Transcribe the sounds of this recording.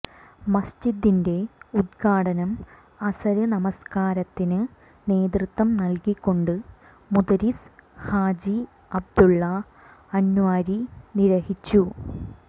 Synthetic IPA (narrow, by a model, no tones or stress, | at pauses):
mɐst͡ɕid̪ːinde̞ud̪̚kʰaːɽɐnɐm | ɐsɐɾɨnɐmɐskaːɾɐt̪ːinɨ | ne̞ːd̪rɨt̪ːwɐmnɐlkikːo̞ɳɖɨ | mud̪ɐɾishaːd͡ʑi | ɐb̚d̪uɭːɐ | ɐnːuʋaːɾiniɾɐhit͡ɕːu